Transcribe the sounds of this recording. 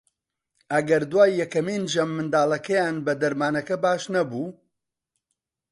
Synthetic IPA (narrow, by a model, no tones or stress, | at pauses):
ʔɐɡɐɾd̪waːjːɛkɐmiːnd͡ʒɐmːɨnd̪aːlˠɐkɐjaːnbɐd̪ɐɾmaːnɐkɐbaːʃnɐbuː